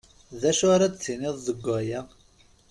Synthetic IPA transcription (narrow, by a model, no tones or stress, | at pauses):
ðæʃʊɾad̪t͡sːinɪðˤzəɡʷːæjæ